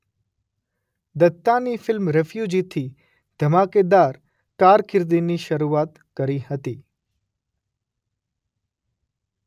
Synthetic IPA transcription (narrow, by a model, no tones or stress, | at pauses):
d̪ət̪ːanifɪlmɾefjud͡ʒit̪ʰi | d̪̥ʱəmaked̪aɾ | kaɾkʰɪɾd̪iniʃəɾuat̪ | kəɾihət̪i